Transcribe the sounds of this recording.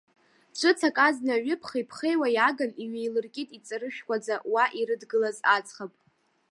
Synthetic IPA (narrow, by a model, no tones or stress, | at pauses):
t͡ʃʷʰʼɨt͡sʰakʼaznaɥɪpʰχijpʰχejwajaɡaniɥejlɨrkʲʼitʼit͡sʼaɾɨʃᶣkʷad͡zawaʔiɾɨdɡɨlazat͡sʰʼχapʼ